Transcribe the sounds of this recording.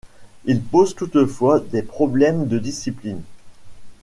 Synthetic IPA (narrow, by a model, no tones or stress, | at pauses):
ilpozt̪ut̪əfwad̪epχɔblɛmd̪əd̪isiplin